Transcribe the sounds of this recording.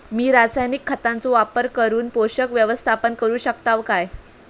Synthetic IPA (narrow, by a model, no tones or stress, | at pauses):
miːɾasajnikʰːət̪ant͡soʋapəɾkəɾuːnpoɕəkʋjəʋəst̪ʰapənkəɾuːɕəkt̪aʋkaj